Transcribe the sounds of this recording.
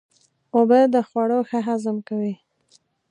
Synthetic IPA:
obəd̪əxwaɽoxaɦazəmkawi

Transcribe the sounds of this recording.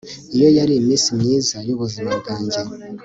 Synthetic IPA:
ijo̞jaɾimiːsimɲiːzajoβuzimabɡaːɲɟe

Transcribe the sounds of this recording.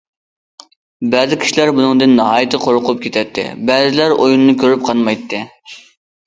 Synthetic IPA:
bæzɪkʲʰi̥ʃilæɾbunɨŋd̪ɨnːɨɦɑːjit̪ʰɨqʰoɾʊqʊp̚kʲʰet̪ʰɛt̪ʰːɪ̰bæzɪlæɾojunɨnɨkʲʰøɾyp̚qʰɑnmɑjt̪ʰːɨ

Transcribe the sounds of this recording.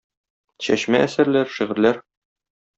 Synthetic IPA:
ɕæɕmæʔæsæ̆ɾlæɾʃiʁɘ̆ɾlæɾ

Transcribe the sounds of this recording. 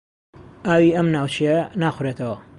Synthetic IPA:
ʔaːwiːʔɐmnaːwt͡ʃʰijɐnaːxʷʊɾet̪ʰɐwɐ

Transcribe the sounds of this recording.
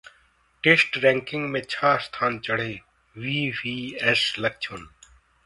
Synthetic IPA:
ʈeːsʈɾɛ̃ːŋkɪ̃ŋɡmẽːt͡ɕʰaːst̪ʰaːnt͡ʃəɽ̤eː | ʋiːʋiːeslək̚t͡ʃʰoːn

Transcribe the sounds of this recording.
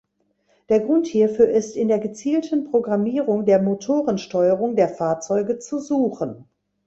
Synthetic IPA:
d̥eːɐɡʁʊnthiːɐfyːɐʔɪstɪndeːɐɡət͡siːltʰən̩pʁ̥oɡʁamiːʁʊŋdeːɐmotʰoːʁənʃtɔʏəʁʊŋdeːɐfaːɐt͡sɔʏɡət͡suzuːχən

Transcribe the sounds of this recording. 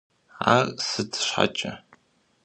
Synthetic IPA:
arsɨtʰɕħa̰t͡ʃʼɐ

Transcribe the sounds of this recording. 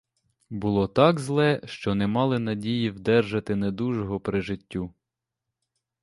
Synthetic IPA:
bʊlˠɔt̪ɑɡzlˠɛʃt͡ʃɔnɛmɑlˠɪnɐdʲijiwd̪ɛrʒɐt̪ɪned̪uʒɔɦɔpɾɪʒɪtʲːu

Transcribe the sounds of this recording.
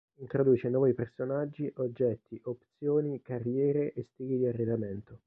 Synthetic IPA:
int̪ɾod̪uːt͡ʃenwɔːvipersonad͡ʒːiʔod͡ʒːɛt̪ːiʔopt̪sjoːnikarjɛːɾeʔest̪iːɡid̪iarːed̪ament̪o

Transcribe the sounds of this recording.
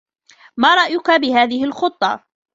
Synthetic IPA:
maːɾˤɑʔjʊkabɪhaːðɪhɪlxʊt̪ˤːɑ̰

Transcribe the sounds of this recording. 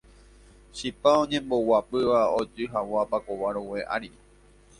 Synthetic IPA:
ʃipaõɲẽ̞mbo̞wapɨʋaod͡ʒɨɦawapakoʋaɾowe̞ʔa̰ɾi

